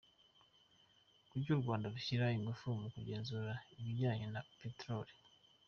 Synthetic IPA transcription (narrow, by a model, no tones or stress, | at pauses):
kuɾɟuːɾɡwaːndaɾuçiɾaiŋɡufumukuɟe̞ːnzuːɾaiβiɟaːɲenapetɾoɾi̥